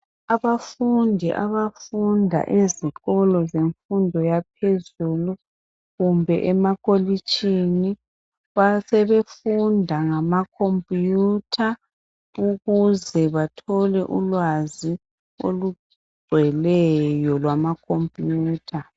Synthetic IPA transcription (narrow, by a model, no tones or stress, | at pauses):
aβafundʱḭʔaβafundʱa̰ʔeziɣɔlɔzeɱfundʱɔjap̚ʰezulu | ɣumbʱɛ̰ʔɛmaɣolit͡ʃʼini | βasɛβefundʱaŋamakʰompʼjutʰa | uɣuzɛβatʰɔlɛʔulwazi | o̰lu | ɡ͡ǀʱɛlɛjɔlwamakʰompʼjuːtʰa